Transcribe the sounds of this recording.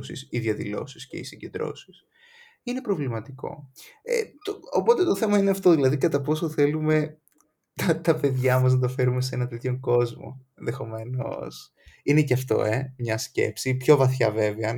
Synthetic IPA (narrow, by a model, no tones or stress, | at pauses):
sḭsiðjɐðilo̞̰sisce̞̰isiɲɟe̞nd̪ɾo̞̰si̥s | ine̞pɾo̞vlimɐt̪iko̞̰ḛt̪oopo̞t̪e̞t̪o̞θe̞mɐineɐft̪o̞ðilɐðikɐt̪ɐpo̞soθe̞lume̞ | t̪ɐt̪ɐpe̞ðʝɐmɐz̬nɐt̪̬ɐfe̞ɾume̞s̬eenɐnt̪et̪ço̞ŋko̞zmo̞̰e̞nðe̞xo̞me̞no̰s | ine̞ceɐft̪o̞̰e̞mɲɐsce̞̰psipço̞vɐθçɐve̞veɐ